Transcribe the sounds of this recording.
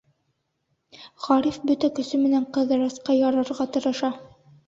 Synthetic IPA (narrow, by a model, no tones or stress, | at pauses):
ʁɑɾifbɵt̪ækɵ̆sɵmɘ̆næɴqɤ̆ðɤ̆ɾɑsqɑjɑɾɤ̆ɾʁɑt̪ɤ̆ɾɤ̆ʃɑ